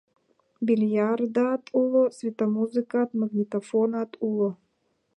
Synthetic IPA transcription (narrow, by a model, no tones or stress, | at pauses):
bʲilʲjard̪at̪ulˠosvʲit̪ɐmuzɨkat̪maɡnʲit̪afonat̪ulˠo